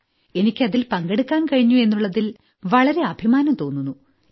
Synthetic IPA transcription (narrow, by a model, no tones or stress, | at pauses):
e̞nikʲːɨɐðilpɐŋɡeɽukːaːnkɐɻiɲːue̞nːuɭːɐðil | ʋɐɭɐɾe̞ɐbʱimaːnɐmt̪o̞ːnːunːu